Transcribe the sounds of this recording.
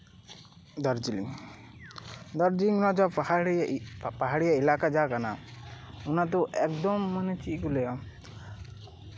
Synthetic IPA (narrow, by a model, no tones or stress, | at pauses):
d̪ɔɾd͡ʒiliŋ | d̪ɔɾd͡ʒiliŋɾɔd͡ʒa | paɦaɽijailakad͡ʒakana | unat̪ɔʔɛkd̪ɔmːanɛt͡ʃiʔkulɛjɔ